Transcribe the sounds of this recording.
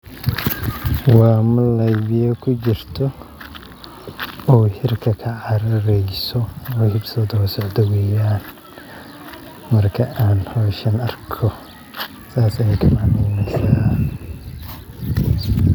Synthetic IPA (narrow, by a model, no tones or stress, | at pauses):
wɑːmʊlɐjβɪjɐkʰʊt͡ʃɪrt̪ʰɔ | ɔːhɪrkʰɐkʰɐʕɑɾɐɾɛjsɔɔːhɪbsɔːd̪ɔːsɔʕd̪ɔwɛːjaːn | mɐrkʰɐʔaːnhɔːʃɐnɐrkʰɔ | saːsɐjɛjkʰɐmaʕnɛjnɛsaː